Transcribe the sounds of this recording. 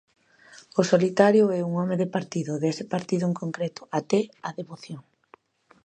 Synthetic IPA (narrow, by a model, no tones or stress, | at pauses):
osolit̪aɾjʊɛuŋɔmeðepaɾt̪iðʊðesɪpaɾt̪iðʊeŋkoŋkɾet̪ʊ̥ʔat̪ɛaðeβoθjoŋ